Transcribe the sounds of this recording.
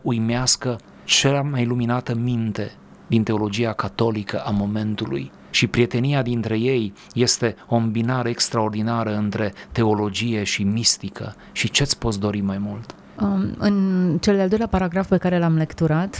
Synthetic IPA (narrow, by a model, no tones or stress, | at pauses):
ujmeaskə | t͡ʃeamajluminat̪əmint̪e̞ | d̪int̪e̞o̞lo̞d͡ʒiakat̪o̞likəʔamo̞me̞nt̪ulṵj | ʃipɾie̞t̪e̞nijad̪int̪ɾe̞je̞jː | e̞st̪e̞o̞mbinaɾəekst̪ɾao̞rd̪inaɾəɨnt̪ɾe̞t̪e̞o̞lo̞d͡ʒije̞ʃimist̪ikʰə̰ | ʃit͡ʃe̞at̪sʲpo̞t̪sd̪o̞ɾimajmult̪ | ɨnt͡ʃe̞ld̪eald̪ojlapaɾaɡɾafpe̞kaɾe̞lamle̞kt̪uɾat̪